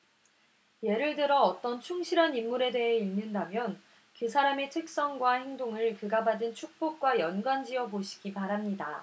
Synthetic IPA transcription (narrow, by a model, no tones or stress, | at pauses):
je̞ɾɯɭdɯɾʌːt͈ʌnt͡ɕʰuŋɕʰiɾanimːuɾe̞de̞ɦeinːɯndamjʌn | kɯsʰaɾametʰɯk̚s͈ʌŋɡwahe̞ŋdoŋɯɭkɯɡabadɯnt͡ɕʰuk̚p͈ok̚k͈wajʌnɡwand͡ʑiʌboɕʰi̥ɡipaɾɦamɲida